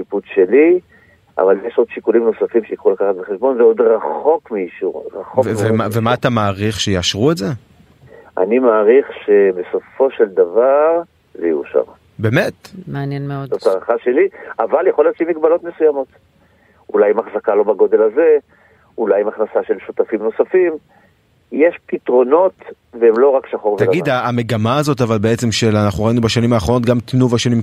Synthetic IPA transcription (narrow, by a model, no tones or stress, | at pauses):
kiput͡sʃe̞li | ʔa̰valjeʃo̞d̪ʃikulimno̞safimʃeikχulakaχat̚beχe̞ʃbonveo̞d̪ʁaχo̞kmeiʃuʁʁaχokvemavemaːt̪amaːʁiχʃejaːʃʁuetze | ʔa̰nimaːʁiχʃe̞be̞so̞fo̞ʃe̞ld̪avaʁ | zejiṵʃa̰ʁ | beːmet̪meanjɛneootaʁaχaʃe̞liavaljaχo̞ljot͡ʃimiɡbalo̞t̪mesujamo̞t̪ | ulajimaχzakalo̞baɡo̞d̪e̞laze̞ | ulajimaχnasaʃe̞lʃut̪afimno̞safim | jeʃpit̪ʁo̞no̞t̪ | veemlo̞ʁakʃaχoʁvt̪aɡid̪aːme̞ɡamaːzo̞tavalbeet͡se̞mʃelanaχnuʁainubaʃanimaːχ̞no̞t̪ɡamt̪nuvaʃanim